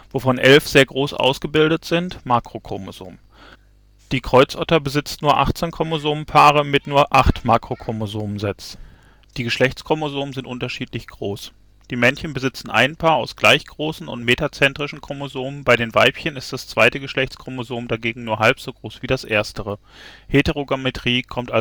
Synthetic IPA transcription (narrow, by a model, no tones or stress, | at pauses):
voːfɔnʔɛlfz̥eːɐɡʁoːsʔa̰ʊsɡ̥əbɪldətz̥ɪntmaːkʁ̥okʰo̰mo̰zo̰ːm | d̥iːkʁ̥ɔʏt͡sʔɔtɐbəzɪt͡stnuːɐʔa̰χt͡senkʰʁomozoːmpʰaːʁ̞əmɪtnuːɐʔaχtmaːkʁ̥okʰomozoːməzɛt͡s | d̥iːɡəʃlɛçt͡skʁ̥omozoːməzɪntʔʊntɐʃiːtlɪçɡ̥ʁoːs | d̥iːmɛnçənbəzɪt͡sn̩ʔa̰ɪnpʰaːɐaʊsɡ̥laɪçɡ̥ʁoːsn̩ʊ̰ntmeːtat͡sɛntʁ̥ɪʃn̩kʰʁ̥omozoːmənbaɪɾeːnvaɪpçənɪst̚d̥ast͡sv̥aɪtəɡəʃlɛçt͡skʰʁ̥omozoːmdaɡeːɡŋ̩nuːɐɦalpz̥oːɡʁoːsv̥iːdasʔeːɐstəʁə | hetəʁoɡametʰʁ̥iːkʰɔmta